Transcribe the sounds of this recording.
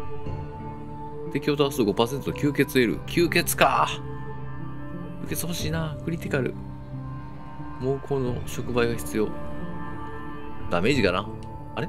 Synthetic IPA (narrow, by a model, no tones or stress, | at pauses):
t̪e̞kʲio̞t̪oasɨoɡo̞paːse̞nt͡sɨokʲɨːke̞t͡sɨe̞ɾɯ̟̰kʲʰɨːke̞t͡sɨ̥ka | kʲɨɯke̞t͡sɨho̞ɕiːnaːkɯ̟ɾʲit̪ʲikaɾɯ̟̰ | moːkʰo̞ːno̞ɕo̞kɯ̟baiɡaçi̥t͡sɨjo̞ | d̪̥ame̞ːʑikana | aɾe